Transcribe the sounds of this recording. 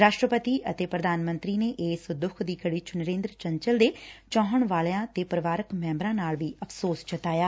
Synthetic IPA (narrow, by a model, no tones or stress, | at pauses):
ɾaːʃʈɾəpət̪iːʔət̪eːpɾəd̪aːnmə̃nt̪ɾiːneːʔeːsd̪ʊkʰd̪iːkəɽiːt͡ʃʊnəɾẽːnd̪ɾt͡ʃəɲt͡ʃəld̪eːt͡ʃɔ̃ːɦəɳʋaːleãːt̪eːpɾəʋaːɾəkmɛ̃ːmbɾãːnaːlʋiːəpʰsoːst͡ʃət̪aːjaː